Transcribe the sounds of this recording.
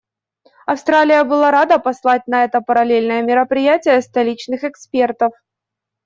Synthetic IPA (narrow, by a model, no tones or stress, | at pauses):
ɐfst̪ɾalʲɪjəbɨlˠaɾad̪əpɐslˠat̚ʲnɐɛt̪əpəɾɐlʲelʲnəjəmʲɪɾəpɾʲɪjætʲɪjəst̪ɐlʲit͡ɕnɨxɛkspʲe̞rt̪əf